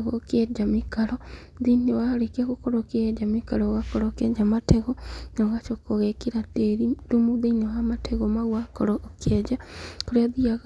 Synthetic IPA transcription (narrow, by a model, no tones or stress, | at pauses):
ɣɔkɛd͡ʒamikaɾɔ | ðinewaɾekaɣokɔɾɔked͡ʒamikaɾɔɣakɔɾɔkɛd͡ʒamatɛɣɔnɔɣat͡ʃokoɣɛkiɾateɾidumuðenewamatʰɛɣɔmaɣwakɔɾɔʔːkɛd͡ʒakoɾeaðiaɣ